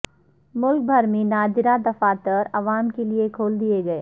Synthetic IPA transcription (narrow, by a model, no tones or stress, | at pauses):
mʊlk̚bʱɐɾmẽnaːd͡ʒ̪ɪɾad̪ɐfaːt̪əɾɐʋaːmkeliekʰoːld̪ieɡɐeː